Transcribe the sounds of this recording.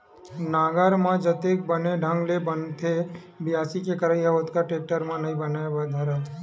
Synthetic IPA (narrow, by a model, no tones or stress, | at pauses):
naɡaɾmãd͡ʒət̪ek̚bəneɖʱəŋɡlebənt̪ʰe | bijasikekəɾaiaʋət̪kaʈek̚ʈəɾmãnəɦĩbənajaʋəd̪ʱaɾa